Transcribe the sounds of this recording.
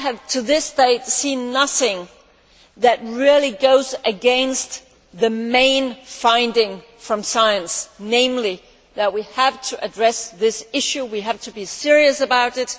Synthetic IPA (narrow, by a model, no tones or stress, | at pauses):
ɨv̥tʰɨðɪsd̥eɪtsĩnːʌθɪ̃ŋ | ðɨt̚ɹɪlˠiɡoʊzɨɡɛ̃nst | ðɨmẽɪ̃nfãɪ̃ndɪ̃ŋ | fɹʌ̃msaɪɨ̃nsnẽɪ̃mli | ðɨt̚wiɨv̥tʰɨʔɨdɹɛsðɪsɪʃʉwiɨv̥tʰɨbisɪɹiɨsɨbaʊɾɨt̚